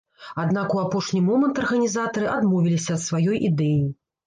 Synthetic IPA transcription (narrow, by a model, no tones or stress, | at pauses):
ad̪nakuapɔʂnʲimɔmɐnt̪ɐrɣɐnʲizat̪ɐɾɨʔad̪mɔvʲilʲisʲɐːt̪svajɔjʔid̪ɛji